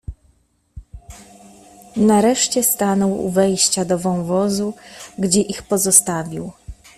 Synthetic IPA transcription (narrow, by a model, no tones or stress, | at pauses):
naɾɛʂt͡ɕɛst̪anɔwṵvɛjɕt͡ɕad̪ɔvɔ̃wvɔzuɡd͡ʑɛʔixpɔzɔst̪avʲiw